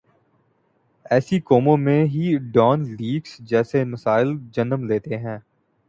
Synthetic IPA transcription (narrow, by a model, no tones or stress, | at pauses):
ɛːsikoːmõmẽɦiɖɔːnliːɡsd͡ʒɛːsemɐsaːɪld͡ʒɐnəmleːt̪eɦɛ̃ː